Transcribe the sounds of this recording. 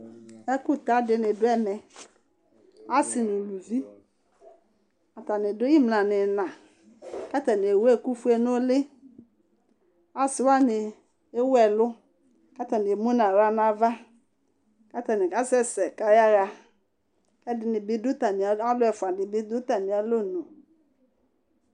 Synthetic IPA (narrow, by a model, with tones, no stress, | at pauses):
ɛ˦kʊ˦ta˦dɪ˨nɪ˨dʊ˦ɛ˦mɛ˨ | a˦sɪ˨nʊ˨lu˨vi˦ | a˨ta˨nɪ˨dʊ˦i˦m˨a˨nɪ˨nã˨ | ka˦ta˨nɪ˨e˨wɛ˦˨ku˦fu˦ɛ˨nʊ˦lɪ˦ | a˨sɪ˦wa˦nɪ˨ | e˦wɛ˨lʊ˦ | ka˦ta˨nɪ˨e˨mo˦na˨wa˨˦na˨va˦ | ka˦ta˨nɪ˨ka˦sɛ˦sɛ˨ka˨ja˦ɣa˦ | kɛ˦dɪ˨nɪ˨bɪ˦dʊ˦ta˨nɪ˨a˨˦a˦lʊ˦ɛ˨fʊ˨a˨dɪ˨bɪ˦dʊ˦ta˨nɪ˨a˨lo˦˨nʊ˨